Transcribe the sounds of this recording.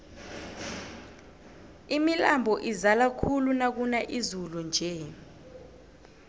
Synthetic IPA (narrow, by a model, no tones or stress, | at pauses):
imilambʱɔʔizalakʰulunak̬unaʔizulund͡ʒʱɛ